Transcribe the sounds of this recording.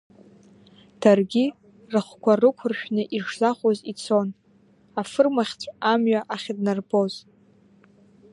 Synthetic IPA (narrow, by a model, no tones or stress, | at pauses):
d̥arɡʲi | rɨχʷkʷʰarɨkʷʰʊrʃᶣnɨʔiʂzaχʷozit͡sʰo̞n | afɨrmaχʲt͡sʷʰamɥaʔaχʲdnarboz